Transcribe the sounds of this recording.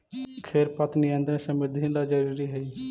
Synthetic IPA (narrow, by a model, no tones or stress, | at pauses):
kʰeɾpət̪niə̃nd̪ɾẽsəmɪd̪ʱinlad͡ʒəɾuːɾiɦɛiː